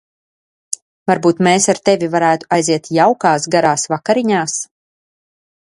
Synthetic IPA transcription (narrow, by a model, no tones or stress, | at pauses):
vaɾbuːt̪meːsaɾt̪ɛvʲivaɾæːt̪u̥ajziɛt̪jawkaːsɡaɾaːsvakaɾiɲaːs